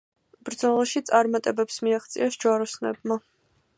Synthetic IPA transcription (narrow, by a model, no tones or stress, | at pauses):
b̥ɾd̪zɔlˠaʃit̪sʼaɾmat̪ʼɛbɛpsmiaχt̪sʼḭasd͡ʒwaɾɔsnɛ̰bma